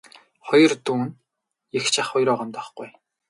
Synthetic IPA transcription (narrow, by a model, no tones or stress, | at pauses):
χɔjɞ̆rt̪uːn | ext͡ɕʰaχːɔjɾɔʁɔmt̪ɔχɡuj